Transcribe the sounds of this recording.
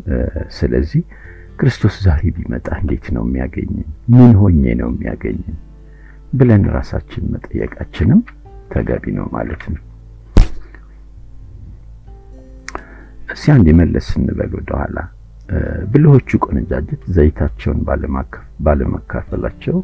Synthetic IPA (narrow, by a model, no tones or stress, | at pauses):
sɨləzːih | kɾɨst̪ʰo̞szaɾebimət̪ʼaɨnd̪e̞t̪nə̰wmːijaɡəɲːɨmmɨnɦo̞ɲːḛnə̰wmːijaɡəɲːɨn | bɨlənɾasat͡ʃːɪnmət̪ʼəjːə̰kʼat͡ʃːɪnɨm | t̪ʰəɡaβinə̰wmalət̪nəw | ʔɨsiand̪jɛməlːʔəsɨnːɨbəlwd̪əhʷala | bɨlɨho̞t͡ʃːukʼonɨd͡ʒad͡ʒɛt̪zəjt̪ʰat͡ʃːɛwn | baləmakʰːafəlat͡ʃːɛw